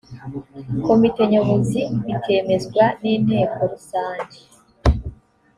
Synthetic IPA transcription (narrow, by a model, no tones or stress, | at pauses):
ko̞mite̞ɲoβoziβitʰe̞ːme̞zɡwaniːn̥he̞ːko̞ɾusaːɲɟi